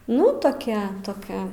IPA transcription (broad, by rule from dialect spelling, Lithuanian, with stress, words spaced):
nʊ toːˈkʲɛ toːˈkʲɛ